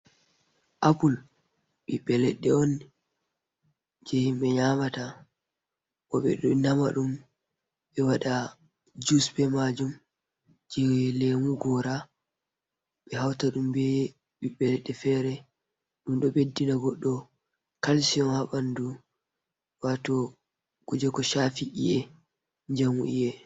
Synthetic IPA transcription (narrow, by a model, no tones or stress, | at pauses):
ʔapul | ɓiɓɛlɛɗːɛɔn | d͡ʒɛimɓɛɲamata | ʔɔɓɛ̰ɗɔnama̰ɗum | ɓɛwaɗa | d͡ʒusbɛmad͡ʒum | d͡ʒɛlemuɡɔɾa | ɓɛɦawtaɗumbɛ | ɓiɓɛɾɛɗɛfɛɾɛ | ɗumɗɔbedːinaɡɔɗːɔ | kalsiɔnhaɓandu | watɔ | ɡ̥ud͡ʒɛkɔʃafiʔḭɛ | ɲd͡ʒamuʔijɛ